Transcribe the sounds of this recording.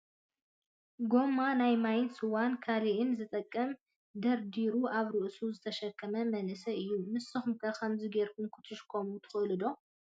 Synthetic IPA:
ɡo̞mːanajmajɪnsɨwankʰaliʔɨnzɨt̪ʼɐkʼːɐm | d̪ɐɾd̪iɾuaβɾɨʔsuzɨt̪ʰɐʃɐkʰːɐmɐmɐnʔɨsɐɨjːumɨsɨxumkʰɐkʰɐmzɨɡeɾkʰumkʰɨ̥t̪ʰɨʃkʰomut̪ʰɨ̥xɨlɨd̪o̞

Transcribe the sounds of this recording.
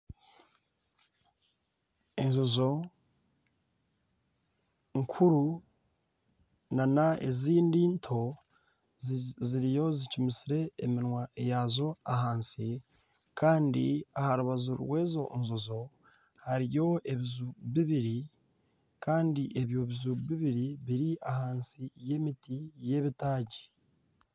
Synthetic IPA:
enzozo̞ | ŋkʰuɾu | nanaḛziːndiːntʰo̞ | ziɾijo̞zicumisiɾe̞ːminwaejazo̞aɦaːnsi | kʰaːndḭahaɾuβazuɾwe̞ːzo̞ʔnzozo̞ | haɾijo̞e̞βizuβiβiɾi | kaːndiʔe̞βjo̞βizuβiβiɾiβiɾiahaːnsije̞mitije̞βitaːɟi̥

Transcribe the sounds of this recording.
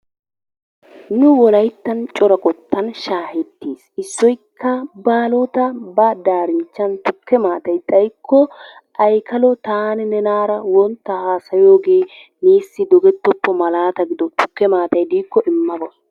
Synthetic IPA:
nʊwɔlɐjt̪ːɐnt͡ʃʼɔɾɔkʼɔt̪ːɐnʃaːhɛt̪ːiːsɪsːɔjkʰːɐbaːlot̪ɐbɐd̪aːɾɪnt͡ʃːɐnt̪ʊkːɛmaːt̪ɐjt̪ʼɐjkʰːɔ | ʔɐjkʰɐlɔt̪aːnnɛnaːɾɐwɔnt̪ːɐhaːsɐjo̞ːɡe̞ː | neːsːɪd̪ɔɡɛt̪ːɔpːɔmɐlaːt̪ɐɡɪd̪ɔt̪ʊkːɛmaːt̪ɐjd̪iːkːɔʔɪmːɐbɔ

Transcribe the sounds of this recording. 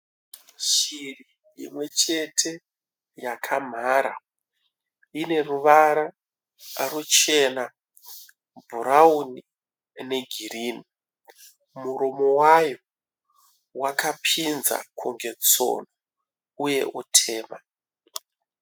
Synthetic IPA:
ʃiri | ḭmwe̞t͡ʃe̞tʰe̞ | jakʰam̤aɾa̰ | ine̞ruʋaɾa | rut͡ʃe̞na | bʱuɾauni | ne̞ɡʱiriːni | muɾomo̞wajo̞ | wakapʰinza̰kʰuŋɡe̞t͡so̰no | uje̞̰ʔutʰe̞ːma

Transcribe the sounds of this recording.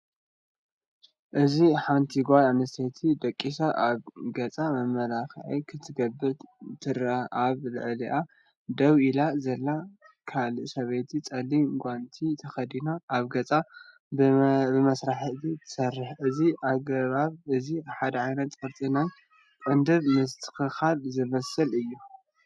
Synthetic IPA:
ʔɨziħant̪ʰiɡʷananɐst̪ʰet̪ʰid̪ɐkʼːisaʔaβɡɐt͡sʼamɐmːɐlaxʕikʰɨt̪ʰːɨɡɐbːɨt̪ʰɨɾaaβlɨ̰ʕliʔa | d̪ɐwilazɐlːa | kʰalɨsɐβet̪ʰit͡sʼɐlːiɡʷant̪ʰit̪ʰɐxɐd̪inoʔaβɡɐt͡sʼa | bɨmɐsɾaħɨzit̪ʰɨ̥sɐrːɨħʔɨziʔaɡɐβaβɨziaħad̪ɐʕajnɐt̪sʼɐɾt̪ʼinɐn | kʼɐnd̪ɨβmɨst̪ʰɨ̥xɨxalzɨmɐsɐlɨjːu

